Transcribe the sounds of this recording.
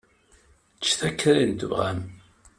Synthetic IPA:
t͡st͡ʃθækːɾænt̪əvʁæ̰m

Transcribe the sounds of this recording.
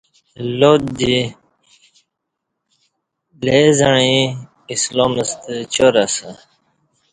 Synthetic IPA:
lodi | lezəɳĩː | slomist̪t͡ɕoɾasə

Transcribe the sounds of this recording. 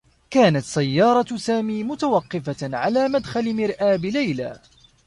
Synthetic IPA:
kaːnat̪sajːɑːɾˤɑsaːmiːmʊt̪awɑqːɪfaʕalaːmad̪xalɪmɪɾʔaːbɪlajla̰ː

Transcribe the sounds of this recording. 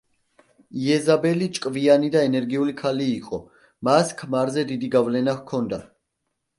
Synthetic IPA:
iɛzabɛlit͡ʃʼkʼvianid̪aɛnɛɾɡiulikʰaliːqʼɔ | maskʰmaɾzɛd̪id̪iɡavlɛnahkʰɔnd̪a

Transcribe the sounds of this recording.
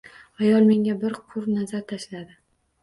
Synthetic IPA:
ajɒlˠme̞ŋɡʲabɪɾqʰʊɾnazaɾt̪ʰaʃlad̪ɪ

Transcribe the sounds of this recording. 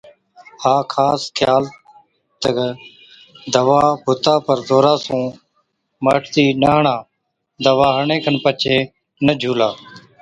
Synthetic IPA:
haːkʰaːskʰjaːl | t̪ək | d̪əʋaːbʱʊt̪aːpəɾd̪ʱoːɾaːsũː | məːʈʰt̪iːnəɦəɳãː | d̪əʋaːɦəɳẽːkʰənpət͡ʃʰeː | nəd͡ʒʱuːlaː

